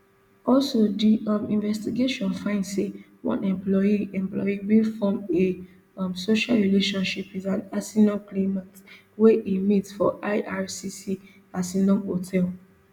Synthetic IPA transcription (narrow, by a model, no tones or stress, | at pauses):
ɔlsodiɔmĩnvɛstiɡeʃɔ̃nfãɪ̃ndse | wɔ̰̃nɛ̃mplɔjiɛ̃mplɔ̰jiwilfɔ̃me | msoʃalɹileʃɔ̃nʃipizãnasinɔ̃nklemat | weʔimitfɔʔaɪʔaɹsisi | asinɔ̃nhotʰɛl